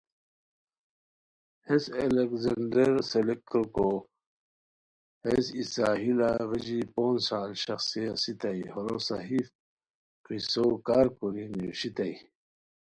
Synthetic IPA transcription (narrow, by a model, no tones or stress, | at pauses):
heselekzɐɳɖeɾselek̚tɾko | hesisaːɦilaɣid͡ʑipoːnsaːlɕɐxsijasit̪aihoɾosaɦif | qisokaːɾkuɾiniɕit̪ai